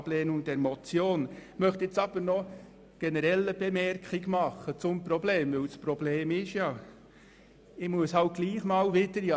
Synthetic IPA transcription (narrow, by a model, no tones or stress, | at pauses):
b̥leːnʊŋd̥ɛɾmɔt͡sjoːnmœχtɛt͡sɑb̥əɾnɔ | ɡ̥enəɾɛlːəb̥emɛɾkχɪɡmɑχət͡sʊmprobleːmʋɪlspɾobleːmɪʃjɑ | ɪmuəsaʊɡ̥liːχmɑːlvɪd̥əɾjɑ